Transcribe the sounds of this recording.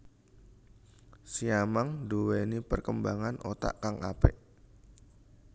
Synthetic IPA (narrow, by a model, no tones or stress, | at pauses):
siamaŋdowenipərkəmbaŋanʔot̪a̰ʔkaŋapeʔ